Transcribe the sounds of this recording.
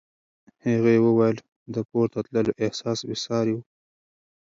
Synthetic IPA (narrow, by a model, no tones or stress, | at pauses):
haɣewəwajəl | d̪əpoɾt̪at̪ləloʔɪhsɑsbɪsɑɾiw